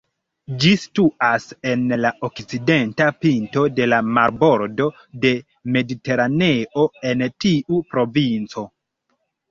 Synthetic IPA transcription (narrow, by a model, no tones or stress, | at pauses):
d͡ʒisi̥tuase̞nlaʔokt͡side̞ntapinto̞de̞lamaɾbo̞ɾdo̞ | de̞ | me̞dite̞ɾane̞ʔo̞e̞ntiʔupɾo̞vint͡so̞